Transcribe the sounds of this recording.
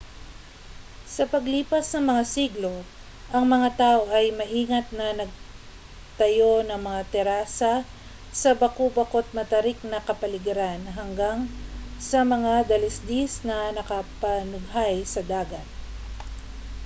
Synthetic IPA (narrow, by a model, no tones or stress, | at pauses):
sɐpɐɡliːpɐsnɐŋmɐŋasiɡlo̞ | ʔɐŋmɐŋat̪aːʔoʔɐjmɐʔiːŋɐt̪̚nɐnɐɡ̚ | t̪ɐjo̞nɐŋmɐŋat̪ɛɾaːsɐ | sɐbɐkobɐkot̪̚mɐt̪ɐɾɪk̚nɐkɐpɐlɪɡɪɾanɦɐŋɡaŋsɐmɐŋad̪ɐlɪsd̪isnɐnɐkɐpɐnʊɡ̚ɦajsɐd̪aːɡɐt̪̚